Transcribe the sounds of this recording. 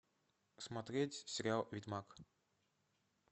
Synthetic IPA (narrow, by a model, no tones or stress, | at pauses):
smat̪ɾʲetʲsʲɪɾʲɪalˠvʲitʲmak